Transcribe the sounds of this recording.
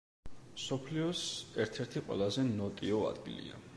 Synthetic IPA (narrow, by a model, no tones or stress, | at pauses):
msɔpʰliɔsɛɾt̪ʰɛɾt̪ʰiqʼwɛ̰lˠazɛnɔt̪ʼiɔa̰d̪̥ɡḭlḭa̰